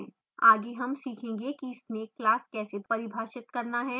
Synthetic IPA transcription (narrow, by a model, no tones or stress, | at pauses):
aːɡeɦɐmsiːkʰẽːŋɡekiɪsneːkːlaːskɛːsepɐɾɪbʱaːʃɪt̪kɐɾnaɦɛ